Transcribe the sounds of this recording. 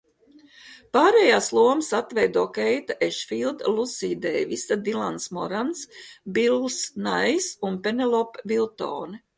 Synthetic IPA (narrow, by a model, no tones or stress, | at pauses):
paːɾɛjaːslˠuɔmsat̪vɛjd̪uːkɛjt̪aʔeʃfilˠd̪lˠusiːd̪ɛ̰ːvisad̪ilˠansmɔɾansbilˠsnajsunpenelˠɔpvilˠt̪o̰ːn